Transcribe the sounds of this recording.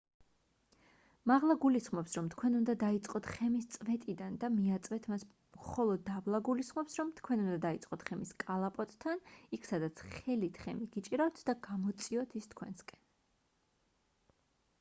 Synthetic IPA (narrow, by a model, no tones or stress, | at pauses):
maʁlˠaɡulisχmɔpsɾɔmt̪ʰkʰwɛnund̪ad̪ait̪sʼqʼɔt̪ʰχɛmist̪sʼvɛt̪ʼid̪and̪amiat̪sʼvɛt̪ʰmas | mχɔlˠɔd̪ːavlˠaɡulisχmɔpsɾɔmt̪ʰkʰwɛnund̪ad̪ait̪sʼqʼɔt̪ʰχɛmiskʼalˠapʼɔt̪ʼt̪ʰːanikʰsad̪at̪sʰχɛlit̪ʰχɛmiɡit͡ʃʼiɾaft̪ʰd̪aɡamɔt̪sʼiɔt̪ʰist̪ʰkʰwɛ̰nskʼɛn